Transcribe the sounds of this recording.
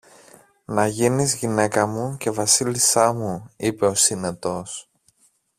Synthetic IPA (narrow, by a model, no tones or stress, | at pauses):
nɐʝinizʝine̞kɐmuce̞vɐsilisɐmuipe̞o̞sine̞t̪o̞s